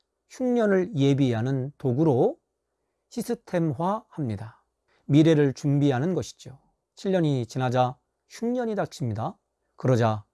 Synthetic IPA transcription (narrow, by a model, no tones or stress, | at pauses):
ɕʰuŋɲʌnɯɭje̞biɦanɯntoɡuɾo | ɕʰisʰɯtʰe̞mɦwahamɲida | miɾe̞ɾɯɭt͡ɕumbiɦanɯnɡʌɕʰi̥d͡ʑjo | t͡ɕʰiʎːʌɲit͡ɕinad͡ʑa | ɕʰuŋɲʌɲidat͡ɕʰimɲida | kɯɾʌd͡ʑa